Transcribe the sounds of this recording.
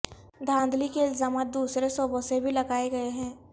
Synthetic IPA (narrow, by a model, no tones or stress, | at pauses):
d̪ʱãːnd̪likeɪlzaːmaːt̪̚d̪uːsɾesɔːbʱõsebʱilɐɡaːeɡɐeɦɛ̃ː